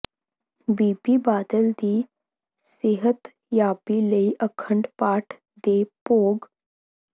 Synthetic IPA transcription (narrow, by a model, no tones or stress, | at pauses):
bipiːbad̪əld̪iː | seɦət̪ | japiləiʔəkʰəɳɖpaʈʰ | d̪epoɡ